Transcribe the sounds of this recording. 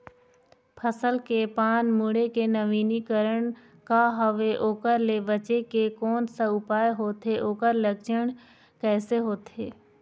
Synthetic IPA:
pʰəsəlkepaːnmʊɽekenəʋiːnikəɾəɳ̃ | kaɦəʋeʔoːkəɾlebət͡ʃekekɔːnsaʊpaːjɦoːt̪ɦeʔoːkəɾləkt͡ʃəɽ̃ | kɛːseɦoːt̪eː

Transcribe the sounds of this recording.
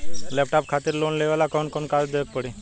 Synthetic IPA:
lɛpʈapkʰat̪iːɾlonleʋalakɔnkonkald̪eək̚pəɽe

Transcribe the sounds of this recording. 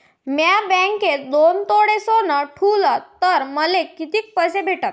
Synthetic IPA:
mjabɛ̃ŋketd̪ont̪oɽesonəʈʰulət̪əɾməlekit̪iːk̚pəsebʱeʈat̪̚

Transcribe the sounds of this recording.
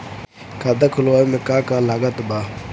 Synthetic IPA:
kad̪akʰʊloamekaːkalaɡat̪ba

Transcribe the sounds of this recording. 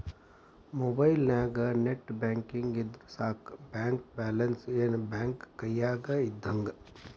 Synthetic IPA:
moːbaːjilnaːɡɐneʈbɛːŋkiŋɡid̪ɾsaːkbɛːŋkbɛːlɐnsenbɛːŋkːɐjaːɡɐid̪ʱːɐŋɡ

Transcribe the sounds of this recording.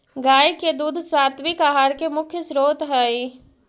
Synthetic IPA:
ɡaːjked̪uːd̪ʱsaːt̪ʋikaɦaːɾkemʊkʰjəsɾoːt̪ɦɛi

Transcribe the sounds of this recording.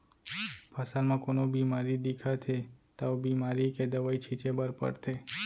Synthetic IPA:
pʰasaɾmãkonobimaɾid̪ikʰat̪ʰet̪aobimaɾiked̪əʋait͡ʃʰit͡ʃebəɾpə̰ɽt̪ʰe

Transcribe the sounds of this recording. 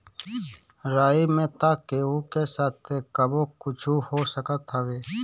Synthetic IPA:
ɾaːimẽt̪aːkeoːkesaːt̪ʰːekəbokʊt͡ʃʰuhoːsəkət̪ɦɐweː

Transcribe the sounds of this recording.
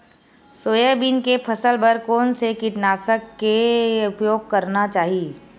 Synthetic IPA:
soːjəbinkepʰɐsəlbəɾkɔːnsekiʈnaːsəkːeʊpjoːɡ̚kɐɾnat͡ʃaːɦie

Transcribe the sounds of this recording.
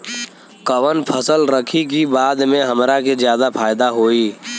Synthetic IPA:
kəʋənpʰəsəlɾəkʰik̬ibaːd̪mẽɦəmɾakezjaːd̪apʰaːɪd̪aɦoːiː

